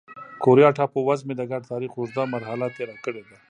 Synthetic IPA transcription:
koɾjɑʈʰaːpowazmed̪əɡaɖ̚t̪aːɾixʊzd̪amaɾɦalat̪eɾakəɽed̪a

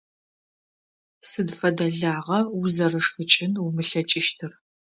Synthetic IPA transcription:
sɨdfɐdɐɮaːʁɐzɐrɨʂxɨt͡ʃʼɪnumɨɬɐt͡ʃʼɪʃtʰɨr

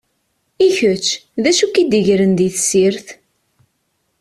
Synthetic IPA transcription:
içət͡ʃːðæʃukid̪əʝɾənd̪iθsiɾθ

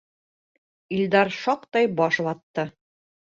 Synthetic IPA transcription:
ild̪ɑɾʃɑqt̪ɑjbɒʃβɑt̪ːɤ

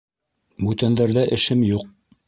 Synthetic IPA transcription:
bʉt̪ænd̪æɾðæʔɘ̆ʃɘmjuq̚

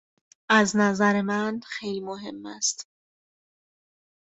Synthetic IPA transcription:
ʔæznæzæɾemænxejlimoɦe̞mːæst̪

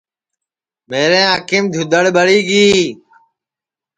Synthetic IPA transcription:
meːɾẽːɦəkɪmd̪ʱjʊd̪əɽɓəɽiːɡiː

